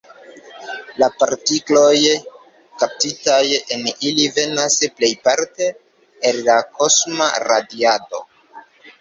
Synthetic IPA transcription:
lapaɾtiklo̞j | kap̚titajenilive̞nasple̞jpaɾte̞ː | lːako̞sma̰ɾadiado̞̰

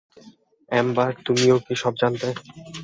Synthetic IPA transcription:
ɛmbaɾt̪umiokiʃɔb̚d͡ʑant̪e

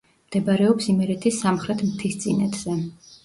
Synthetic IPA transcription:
md̪̥ɛbaɾɛɔpsimɛɾɛt̪ʰisamχɾɛt̪ʰmt̪ʰist̪sʼinɛt̪ʰz̥ɛ

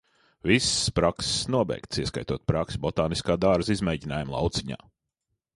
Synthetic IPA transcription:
vispɾaksnuɔbɛ̰jkt̪siɛska̰jt̪uɔt̪̚pɾaksʲbɔt̪aːniskaːd̪aɾzizmɛjɟʲinaːjumlˠɑ̰wt̪siɲa̰ː

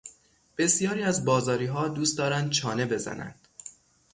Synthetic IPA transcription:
b̥e̞sjɒːɾiːæzbɒːzɒːɾiːɦɒːd̪uːst̪d̪ɒːɾænd̪̚t͡ʃʰɒːne̞be̞zæ̰næ̰nd̪̥

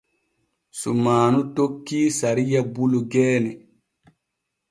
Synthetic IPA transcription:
sumaːnutokːiːsaɾijabuluɡɛːnɛ

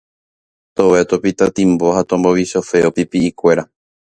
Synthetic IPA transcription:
t̪oʋet̪opit̪at̪ĩmbo̞hat̪õmboʋiʃofe̞opipiːkʷe̞ɾa

